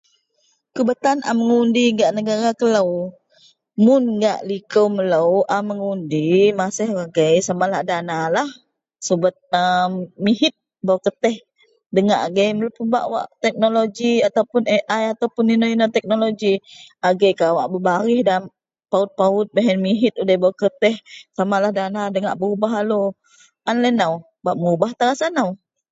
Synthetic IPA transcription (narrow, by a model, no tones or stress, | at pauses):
kəbət̪anʔa̰məŋundiŋɡaʔnəɡaɾakələw | mʊnɡa̰ʔlikəwmələwʔaməŋundimasəhwaɡəjsamalahdanalah | səbət̪̚əmmiɦɪt̪̚ | bawkət̪ɛh | dəŋaʔaɡəjmələpəba̰ʔwa̰ʔt̪ɛk̚noloɡiat̪awpʊneʔajat̪awpʊninoinot̪ɛk̚noloɡiaɡɛjkawaʔbəbaɾɪhdan | paʊt̪̚paʊt̪̚bəɦɛnmiɦɪt̪̚udɛhbawakət̪ɛhsamalahdanadəŋa̰ʔbəubaɦalo | anlɛnaw | baʔməubaht̪aɾasanaw